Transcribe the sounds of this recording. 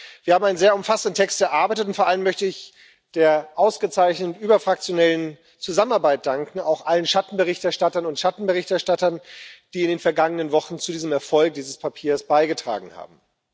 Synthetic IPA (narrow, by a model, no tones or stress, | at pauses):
v̥iːɐhaːm̩ʔaɪnzeːɐʊmfasn̩dn̩tʰɛkstɛɐʔaɐbaɪtət̬ʊntfoːɐʔaləmːœçtəɪç | d̥eːɐʔaʊsɡ̥ət͡saɪçnətʔyːbɐfʁ̥ak̚t͡sjonɛlən | t͡suzamənaɐbaɪt̚d̥aŋkŋ̩aʊxʔalənʃatn̩bəʁ̞ɪçtɛɐʃtatɐnʊntʃatn̩bəʁɪçtɛɐʃtatɐnd̥iːɪndeːnfɛɐɡaŋənənvɔχn̩t͡sudiːzəmɛɐfɔlk̚d̥iːzəspʰapʰiːɐsb̥aɪɡətʁ̥a̰ːɡŋ̩ha̰ːb̚m̩